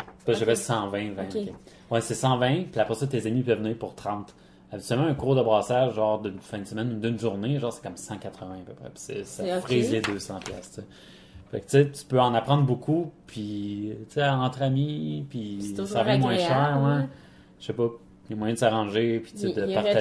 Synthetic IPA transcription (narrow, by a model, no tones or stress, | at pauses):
bɛepɔsɑ̃vɛ̃vɛ̃e | wɛsɛsɑ̃vɛ̃piapʁɛsʌt̪ezamipœvːəniːʁpʊʁt̪ʁɑ̃ːt̪ | abʲit̪sɥɛlmãɛ̃kuʁd̪əbʁaːsaʒʒɑ̃ːʁd̪ɨnfɛ̃d̪əsəmɛnd̪ɨnʒuʁneʒɑ̃ːʁsɛ̥kʌmsɑ̃kat̪χəvɛ̃apøpʁɛ̰pʲi̥sɛ̰safʁizled̪øːsɑ̃pjast͡se | fa̰kt͡set̪y̥pøɑ̃napχɑ̃d̪ʁbukʰupʰit͡seɑ̃t̪χamipisavɛ̃mwɛ̃ʃɛːʁwɛ̥ | ʃepʌ | lemwajɛ̃d̪əsaʁɑ̃ːʒepi̥t͡sed̪əpaʁa